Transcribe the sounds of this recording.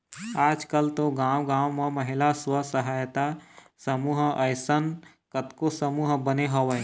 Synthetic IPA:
aːd͡ʒkəlt̪oɡaːwɡaːwmeməɦɪlaswəsəɦaːjt̪a | səmuːɦəɪsən | kət̪kosəmuːɦbəneɦəʋə

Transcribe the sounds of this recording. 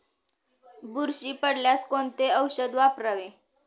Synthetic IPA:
buɾɕiːpəɽljaskoɳt̪eəwɕəd̪ʋapɾəʋe

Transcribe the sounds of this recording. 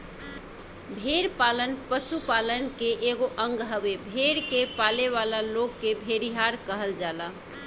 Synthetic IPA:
bʱeɾpalənpəsupalənkeʔeɡoʔəŋɡɦəbebʱeɾkepaleβalalokːebʱeɾiɦaɾkəɦəld͡ʒala

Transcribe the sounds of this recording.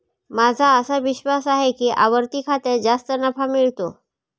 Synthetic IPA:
mad͡zʱaəsaʋiɕʋasaɦekiːʔa̰ʋəɾt̪iːkʰat̪eɾd͡zast̪ənəfamiɭt̪o̰

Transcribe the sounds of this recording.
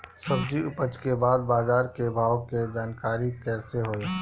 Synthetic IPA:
sɐbd͡ʒiʊpət͡ʃkebaːd̪̚baːzaːɾkebʱaːwked͡ʒaːnkaːɾikɛːseɦoːe

